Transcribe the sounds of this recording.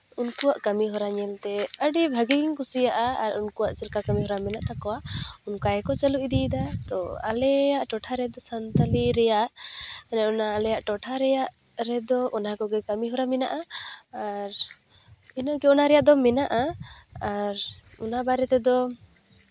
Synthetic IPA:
unkuwaʔkamiɦɔɾaɲɛlt̪ɛəɖibʱaɡiŋkusijaʔaaɾunkuwaʔt͡ʃɛlkakamiɦɔɾamɛnaʔt̪akɔwaʔunkajɛkɔt͡ʃəluʔid̪id̪at̪ɔ̰a̰lɛjaʔʈɔʈʰaɾɛd̪ɔsant̪aliɾɛjaʔnɛɔnaːlɛjaʔʈɔʈʰaɾɛjaʔ | ɾɛd̪ɔʔɔnakɔɡɛkamiɦɔɾamɛna̰ʔaː | ɾ | inaɡɛɔnaɾɛjaʔd̪ɔmɛnaʔaaɾ | ṵnabaɾɛt̪ɛd̪ɔ

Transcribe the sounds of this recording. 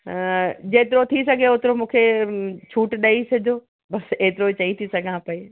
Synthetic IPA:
d͡ʑeːt̪ɪɾot̪ʰis̬ɐɡʱeʊt̪ɪɾomũːkʰet͡ɕʰuːʈɗɐisɐd͡ʑʱoː | bɐseːt̪ɪɾot͡ɕɐit̪ʰisɐɡʱãpɐe

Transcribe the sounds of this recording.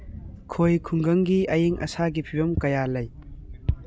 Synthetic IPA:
kʰojkʰuŋɡɐŋɡiʔɐjiŋʔɐ̰saɡipʰibɐmkɐjalɐj

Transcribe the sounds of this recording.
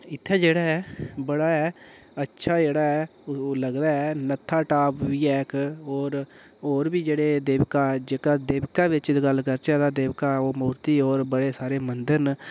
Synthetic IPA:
ɪt̪ʰːɛ̃ːd͡ʒeːɽaːɛːbəɽaːɛː | ətːʃʰaːd͡ʒeːɽaːɛːləɡd̪aːɛːnət̪ʰːaːʈaːpʋiːɛːkoːɾ | oːɾbiːd͡ʒeːɽeːd̪eːʋkaːd͡ʒeːkaːd̪eːbkaːʋɪt͡ʃd̪ɡəlkəɾt͡ʃɛːd̪aːd̪eːʋkaːoːmoːɾt̪iːoːɾbəɽeːsaːɾeːmənd̪əɾn

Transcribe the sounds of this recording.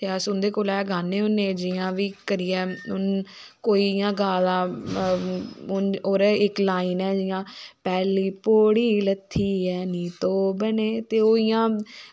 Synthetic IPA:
t̪eəsʊnd̪eːkoːlɛːɡʱaːneːɦʊnːeːd͡ʒɪjãːʋiːkəɾiːɛːʊnkoːiːjãːɡaːlãː | ʊnoːɾɪklaːiːnɛːd͡ʒɪjãːpɛːliːpoːɽiːlət̪ʰːiːɛːnĩːt̪oːbəneːt̪eːoːɪjãː

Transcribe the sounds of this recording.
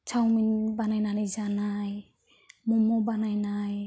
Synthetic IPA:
t͡ʃʰawminbanajnanazanaj | mɔmɔbanajnaj

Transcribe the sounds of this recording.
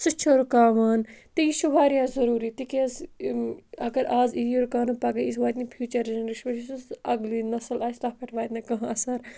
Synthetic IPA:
sɨt͡ʃʰoɾukaːʋaːnt̪iiʃuʋaːɾijãːzɐɾuːɾit̪ikez | ɐɡɐɾaːzijoɾkaːnupɐɡɐisʋaːt̪nĩpʰjuːt͡ʃɐɾɐnɾiʃbɐʃisusɐɡlinɐsɐlaːsʈaːpʰeʈʰʋaːt̪nɐkɐɦãɐsɐɾ

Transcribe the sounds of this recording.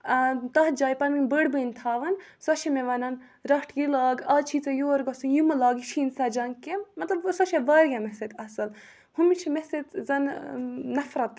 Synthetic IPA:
t̪ɐːd͡ʒaːjpɐɾminbəɽbənʲt̪ʰaːʋɐnsɐʃemeʋɐnɐn | ɾɐʈʰjilaːɡaːt͡ʃʰit͡sɐjoːɾɡɐsunjumɐlaːɡiʃʰiːnsɐd͡ʒɐŋkemɐt̪lɐbsɐʃeʋɐːɾjɐmeset̪ɐsɐl | humit͡ʃʰimeset̪zɐnnɐfɾɐt̪

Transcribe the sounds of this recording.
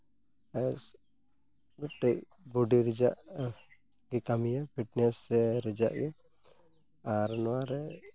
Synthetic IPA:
ɛs | ɡuʈːɛʔ | buɖiɾid͡ʒaʔ | ɡikamijapʰiʈnɛsɛɾɛd͡ʒa̰ʔjɛ | aɾnɔwaɾɛ

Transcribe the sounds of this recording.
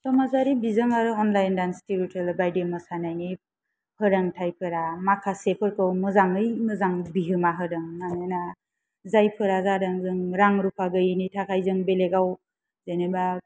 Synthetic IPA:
sɔmazaɾibizɯŋaɾɯɔnlajndanstiɾitʰɯlbajdemɯsanajni | hɯɾaŋtʰajpʰɯɾamakʰasepʰɯɾkɯwmɯzaŋɯjmɯzaŋbiɦɯmaɦɯdɯŋmanana | zajpʰɯɾazaɾɯŋzɯŋɾaŋɾupʰaɡɯjnitʰakʰajzɯŋbeleɡaw | zeneba

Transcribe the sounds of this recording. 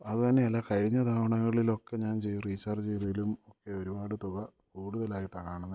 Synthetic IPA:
ɐðut̪ɐnːe̞ːlːaːkɐɻiɲːɐt̪ʰaːʋɐɳɐɣɐɭilo̞kːe̞ɲaːnt͡ɕe̞jːuriːsɐrd͡ʑejðɐjilumo̞kːe̞o̞ɾubaːɽɨt̪uɣɐ | kuːɽuðɐlaːjiʈːɐkaːɳɐnːɐ

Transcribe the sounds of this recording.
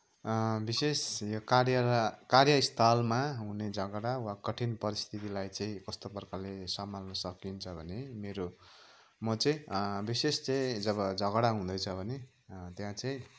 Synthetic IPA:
bisesjokaɾjʌkarjʌist̪ʰalmaɦuned͡zʱʌɡɽawakʌʈʰinpʌɾist̪ʰit̪ilajt͡sʌĩkʌst̪opʌrkalesamalnʌsʌkint͡sʰʌbʱʌnemeɾo | mʌt͡sʌĩbisest͡sʌĩd͡zʌβʌd͡zʱʌɡɽaɦũd̪ʌjt͡sʰʌbʱʌne | t̪jãt͡sʌĩ

